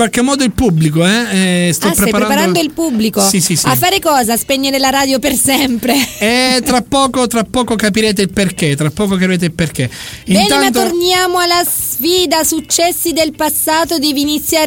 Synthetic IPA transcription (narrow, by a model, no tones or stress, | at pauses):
walk̟emːɔːd̪oilpubːlikoɛɛst̪ɔpːɾeajpaɾɾanpaɾand̪oilpubːlikosisisiafːaːɾekɔːzaspeɲːeɾelaɾaːd̪jopersɛmpɾeɛt̪ːɾapːɔːkot̪ɾapːɔːkokapiɾeːt̪̬eilperk̟et̪ːɾapːɔːkokapiɾeːt̪eilperk̟eibɛnːnanat̪ornjaːmoalasfiːd̪asut͡ʃːɛsːid̪elpasːaːt̪od̪ɛːviːnit̪sːjaː